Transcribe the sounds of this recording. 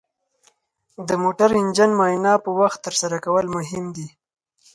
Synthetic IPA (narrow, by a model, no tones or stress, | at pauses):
d̪əmoʈaɾɪnd͡ʒanmɑjnɑpəwaxt̪ːəɾsaɾakawəlmʊɦɪmd̪i